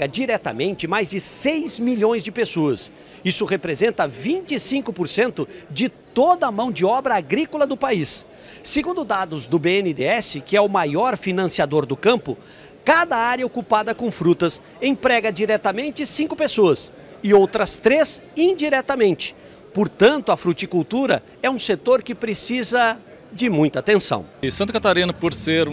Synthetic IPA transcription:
ɐd͡ʒiɾɛt̪ɐ̰mẽnt͡ʃɪmajzd͡ʒɪsejzmiʎõj̃zd͡ʒɪpesoɐs | isʊʁepɾezẽnt̪ɐvĩnt͡ʃɪsĩŋkʊpoɾsẽnt̪ʊd͡ʒɪt̪od̪ɐmɐ̃w̃d͡ʒɪɔbɾɐaɡɾikʊlɐd̪ʊpaisː | eɡũnd̪ʊd̪ad̪ʊzd̪ʊbeẽnɪd̪eɛsɪkɪɛʊmajɔɾfinɐ̃siad̪oɾd̪ʊkɐ̃mpʊ | kad̪ɐaɾjɐokupad̪ɐkõw̃fɾut̪ɐs | ẽpɾɛɡɐd͡ʒiɾɛt̪ɐmẽnt͡ʃɪsĩkʊpesoɐs | ɪowt̪ɾɐst̪ɾesĩnd͡ʒiɾɛt̪ɐmẽnt͡ʃɪ̥ | poɾt̪ɐ̃nt̪ʊɐfɾut͡ʃikuwt̪uɾɐ̰ | ɛũset̪oɾkɪpɾesizɐ | d͡ʒɪmũj̃t̪ɐat̪ẽsɐ̰̃w̃sɐ̃t̪̬ɐkat̪aɾĩnɐpoɾseɾ

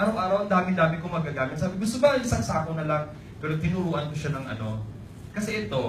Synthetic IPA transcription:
ʔɐɾɐwʔaːɾɐwɐnd̪aːmɪd̪aːmɪkomɐɡkaɡaːmɪt̪saːbɪɡʊst̪obɐʔɐŋʔɪsaŋsaːkonɐlaŋ | pɛɾot̪ɪnuɾuːʔɐnkoʃanɐŋʔɐ̰no̞ | kɐsɛʔɛt̪o̞

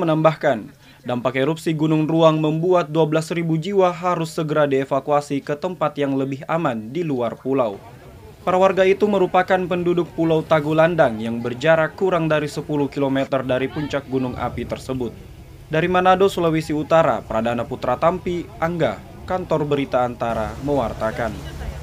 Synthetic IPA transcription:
mənambahkan | dampakeɾupsiɡunʊŋruaŋməmbuat̪̚duablasribud͡ʒiwaɦaɾʊsːəɡəɾadiefakuasikət̪əmpat̪jaŋləbɪɦamandiluarpulaw | paɾawarɡait̪uməɾupakanpəndudʊk̚pulawt̪aɡulandaŋjaŋbərd͡ʒaɾakːuɾaŋdaɾisəpuluhkilomɛt̪ərdaɾipuɲt͡ʃak̚ɡunʊŋʔa̰pit̪ərsəbʊt̪̚ | daɾimanadosulowisiut̪aɾa̰pəɾadanaput̪ɾat̪ampiʔaŋɡa | kant̪ɔrbəɾit̪aːnt̪aɾaməwart̪akan

